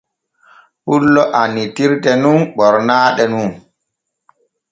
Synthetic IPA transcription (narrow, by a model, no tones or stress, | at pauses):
pulːɔʔanitiɾtɛnunɓɔɾnaːɗɛnun